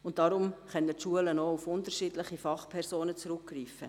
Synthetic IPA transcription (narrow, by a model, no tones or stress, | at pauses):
ʊnt̚d̥ɑɾʊmχœnətʃuələnoːufʊntəɾʃiːdlɪχifɑχpʰɛɾsoːnət͡sɾʊkːriːfə̰